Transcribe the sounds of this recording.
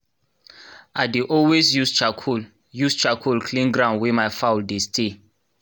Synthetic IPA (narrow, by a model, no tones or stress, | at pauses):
aɪdeʔɔlwesjust͡ʃakʰul | just͡ʃakʰulkʰlĩnɡɹãʊ̃nwɛmaɪfawldestʰe